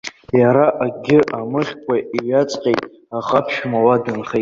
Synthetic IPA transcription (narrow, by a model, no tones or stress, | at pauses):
jaɾaʔaɡʲɪʔamɨχʲkʷʼaʔiɥat͡sʼqʲʼejtʼ | aqʼapʰʃmawadɨnχe